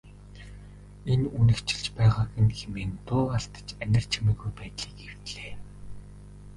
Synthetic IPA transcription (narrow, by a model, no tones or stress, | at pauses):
enunɘ̆kt͡ɕʰɪ̆ɮt͡ɕpæːʁaːɡɘ̆nxemeːnt̪ʊːaɮt̪ə̥̆t͡ɕænʲɪ̆r̥t͡ɕʰimiːɣujpæːt̪ɮiːkew̥t̪ɮeː